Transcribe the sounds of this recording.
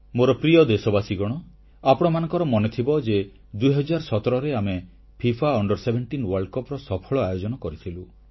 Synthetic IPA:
moɾɔpɾiɔd̪esɔbasiɡɔɽ̃ɔ | apɔɽ̃ɔmanɔ̃ŋkɔɾɔmɔnet̪ʰibɔd͡ʒe | d̪ujɦɔd͡ʒaɾsɔt̪ɔɾɔɾeame | pʰipʰaɔɳɖɔɾsebʱeɳʈinwɔɾɭɖkɔpɾɔsɔpʰɔɭɔajod͡ʒɔnɔkɔɾit̪ʰilu

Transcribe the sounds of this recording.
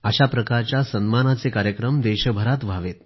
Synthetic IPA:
əɕapɾəkaɾt͡ɕjasənmanat͡sekaɾjəkɾəmd̪eɕəbʱəɾat̪ʋʱaʋet̪

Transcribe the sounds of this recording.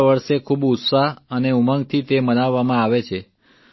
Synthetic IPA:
ʋəɾʃekʰubut̪saɦəneuməŋɡ̚t̪ʰit̪emənaʋːamãaʋet͡ʃʰe

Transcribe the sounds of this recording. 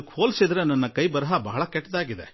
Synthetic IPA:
khoːlsid̪ɾe̞nɐnːɐkɐjbɐɾɐɦɐbɐɦɐɭɐkɛʈːd̪aːɡid̪e

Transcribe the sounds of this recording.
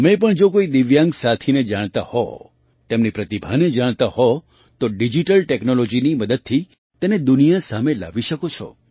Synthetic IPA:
əmẽpəɳd͡ʒokoid̪iʋjãŋɡsat̪ʰined͡ʒaɽ̃t̪ahɔ̰ | t̪emnipɾət̪ibʱaned͡ʒaɽ̃t̪ahɔ | t̪oɖid͡ʒiʈəlʈeknolod͡ʒiniməd̪əd̪̚t̪ʰi | t̪ened̪unijasamela̰ʋiʃəkot͡ʃʰɔ̰

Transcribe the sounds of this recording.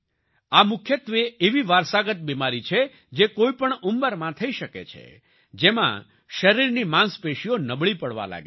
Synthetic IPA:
amʊkʰjət̪ʋeeʋiʋaɾsaɡət̪̚bimaɾit͡ʃʰe | d͡ʒekoipəɳumbəɾmãt̪ʰəiʃəkḛt͡ʃʰḛ | d͡ʒemã̰ | ʃəɾiɾnimãnspeʃionəbɭipəɽʋa̰la̰ɡe

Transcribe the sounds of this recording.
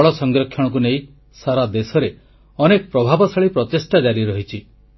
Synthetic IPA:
ɭɔsɔŋɡɾɔkʰːjɔɽ̃ɔk̬unej | saɾad̪esɔɾe | ɔnekɔpɾɔbʱabɔsaɭipɾɔt̪esʈad͡ʒaɾiɾɔɦit͡ʃʰi

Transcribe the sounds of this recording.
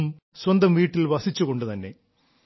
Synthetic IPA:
m | swɐnd̪ɐmʋiːʈːilʋɐsit͡ɕːuɣo̞ɳɖɨt̪ɐnːe̞

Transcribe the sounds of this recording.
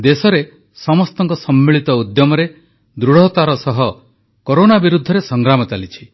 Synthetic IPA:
d̪esɔɾe | sɔmɔst̪ɔŋkɔsɔmːiɭit̪ɔud̪jɔmɔɾe | d̪ɾuɽ̤ɔt̪aɾɔsɔɦɔ | koɾonabiɾud̪ʱːɔɾesɔŋɡɾamɔt͡ʃalit͡ʃʰi

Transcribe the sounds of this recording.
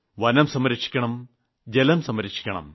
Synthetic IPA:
ʋɐnɐmsɐmːɐɾikʂi̥kʲːɐɳɐm | d͡ʑelɐmsɐmɐɾiʂi̥kʲːɐɳɐ̰m

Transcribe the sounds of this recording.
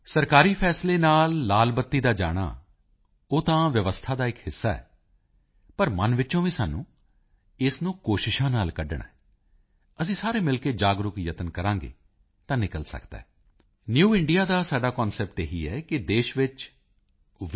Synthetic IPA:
səɾkaːɾiːpʰɛːsleːnaːlːaːlbət̪ːiːd̪aːd͡ʒa̰ːɽ̃a̰ː | oːt̪ãːʋjəʋəst̪ʰaːd̪aːɪkhɪsːaːɛ̰ː | pəɾmənʋɪt͡ʃõːʋiːsaːnːũː | ɪsnũːkoːʃɪʃãːnaːlkəɖɽɳa̰ɛː | əsĩːsaːɾeːmɪlkeːd͡ʒaːɡɾʊkjət̪ənkəɾãːŋɡḛː | t̪ãːnɪkəlsə̰kd̪̥a̰ɦɛː | njuːɪɳɖijaːd̪aːsaːɖaːkɔ̃ːnsɛːp̚ʈeːɦiːɛːkɪd̪eːʃʋɪt͡ʃ

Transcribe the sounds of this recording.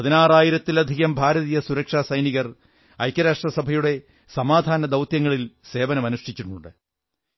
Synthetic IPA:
pɐðinaːraːjiɾɐt̪ːilɐd̪ʱiɣɐmbʱaːɾɐðiːjɐsuɾɐkʂaːsɐjniɣɐr | ɐjkʲːɐɾaːʂʈrɐsɐbʱɐjuɽe̞ | sɐmaːd̪ʱaːnɐd̪ɐwt̪jɐŋːɐɭilse̞ːʋɐnɐmɐnuʂʈit͡ɕːuɳːuɳɖɨ

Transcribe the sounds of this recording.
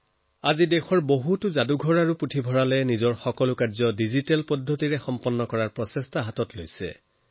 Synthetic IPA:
azidɛxɔɹboɦutʊzaduɡʱɔɹaɹuputʰibʱɔɹalɛnizɔɹxɔkɔlʊkazɔdizitɛlpɔdʱːotiɹɛxɔmpɔnːɔkɔɹaɹpɹɔsestʰaɦatɔtlojsɛ̰

